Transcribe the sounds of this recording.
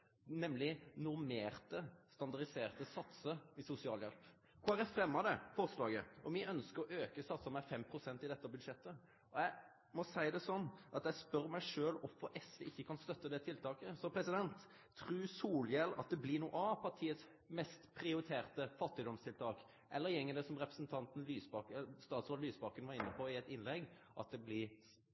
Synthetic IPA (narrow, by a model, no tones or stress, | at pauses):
nɛmlɪnʊɾmeːɾt̪əst̪ɑnd̪ɑʁd̪ɪseːʁt̪əsɑt̪səɪsʊsɪɑːljɛ̰lp | kʰʊæɾæfɾɛmːɑd̪ɛfɔʁslɑːɡə̰ɔmɪʔœnskəɾɔʔøːkəsɑt̪sɑmɛfɛmpʰɾʊsɛnt̪ɪd̪ɛt̪ːəbʉd̪ʂɛt̪ːə | ɔjæɪ | mɔsæɪd̪ɛsɔnːʔɑt̪jæɪspœɾmæɪʂøːlɔfəɾʔɛsəʔɪçːəkʰɑnst̪œt̪ːəd̪ɛt̪ʰɪlt̪ʰɑːkəsɔpʰɾɛsɪd̪ɛnt̪ʰː | ɾʉːsuːljɛlɑ̰t̪̚d̪ɛblɪɾnuːɑʋpʰɑt̪ʰiːət̪s | mɛst̪pʰɾɪʊɾɪt̪ʰeːɾt̪əfɑt̪ːɪd̪ɔmst̪ʰɪlt̪ʰɑːk | ʔɛ̰lːəɾjɛŋːəd̪ɛsɔmɾɛpɾəsnt̪ʰɑnt̪n̩lyːsbɑkst̪ɑːt̪sʋɑlːyːsbɑkənʋɑɾɪnːəpʰɔɪɛt̪ɪnlɛɡ | ʔɑ̰t̪̚d̪ɛblɪ